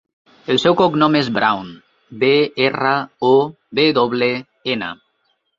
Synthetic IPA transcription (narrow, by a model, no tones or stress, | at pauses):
elsewkoknomezbɾa̰wn | beerao | βeðoβle | ena̰